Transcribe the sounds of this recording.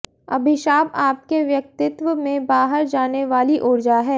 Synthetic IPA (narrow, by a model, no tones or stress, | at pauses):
ɐbʱɪʃaːbaːp̚keʋjɐk̚t̪ɪt̪ʋəmẽbaːɦəɾd͡ʒaːneʋaːliʔʊːɾd͡ʒaɦɛː